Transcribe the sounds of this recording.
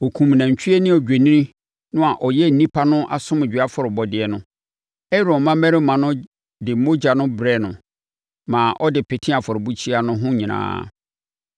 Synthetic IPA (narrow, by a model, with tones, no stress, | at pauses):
ɔ˨kʰũ˨m˨nã˨ɲ˨t͡ɕᶣʰi˦ɛ˦nɪ̃˦ɔ˨d͡ʑᶣe˨nĩ˦ɾĩ˦ | nʊ̃˦a˨ʔɔ˨jɛ˦n̩˨nĩ˦pʰa˦nʊ̃˦ʔa̰˨sʊ̃˦m˨d͡ʑᶣɪ˨a˦fɔ˨ɾɪ˨bɔ˨dɪ˨ɛ˨nʊ̃˦ | ɛ˦ɾõ˨mã˦mɛ˦ɾɪ˦mã˨nʊ̃˦ | dɪ˨mo˦d͡ʑa˨nʊ̃˦bɾɛ˦˨nʊ̃˨ | mã˨ʔɔ˦dɪ˨pʰɛ˨tʰĩ˦a˨fɔ˨ɾɪ˨bu˦t͡ɕʰi˦a˨nʊ̃˦ɦʊ̃˦ɲĩ˨nã̰ː˦˨